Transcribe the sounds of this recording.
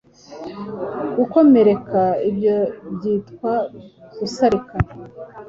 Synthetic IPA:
ɡ̥uko̞me̞ɾe̞kaibjobɟiːtkwaɡ̥usaɾikaɾe

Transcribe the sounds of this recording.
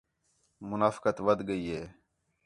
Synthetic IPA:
mʊnaːfkət̪ʋəd̪ʱɡəiːɦeː

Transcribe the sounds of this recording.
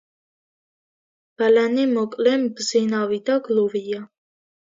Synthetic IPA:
b̥alanimɔkʼlɛmbzinavid̪aɡluvia

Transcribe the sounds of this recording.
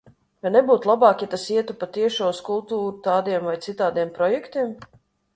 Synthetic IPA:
ajnɛbuːt̪lˠabɑːkʲit̪asiɛt̪upat̪iɛʃoːuskulˠt̪uːɾut̪aːd̪iɛmvajt̪sit̪aːd̪iɛmpɾɔjɛkt̪iɛm

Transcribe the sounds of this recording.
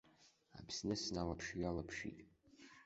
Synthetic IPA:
a̰bʰsnɛsnalapʰʃialapʰʃḭt

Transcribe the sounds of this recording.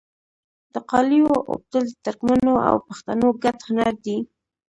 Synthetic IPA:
d̪̥əqɑlijoʔʊ̰b̚d̪əld̪ət̪aɾkmanoa̰wpaxt̪anoɡat̪hʊnaɾd̪i

